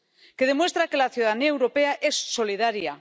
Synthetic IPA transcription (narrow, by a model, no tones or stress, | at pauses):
ke̞ð̞e̞mwe̞st̪ɾake̞laθjuðaðaniaewɾo̞peaʔe̞sːo̞liðaɾja